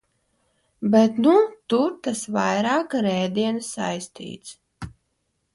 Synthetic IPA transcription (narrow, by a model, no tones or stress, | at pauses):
bɛt̪nut̪uɾt̪asvajɾaːkɾɛjd̪iɛnsa̰jst̪ḭːt̪s